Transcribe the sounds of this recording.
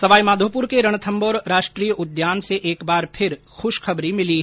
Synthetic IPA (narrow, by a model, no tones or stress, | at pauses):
sɐʋaːimaːd̪ʱoːpʊɾkeɾɐɽ̃t̪ʰə̃mbɔːɾɾaːʃʈɾiːjəʊd̪jaːnseʔeːkbaːɾpʰɪɾ | xʊʃkʰɐbɾimɪli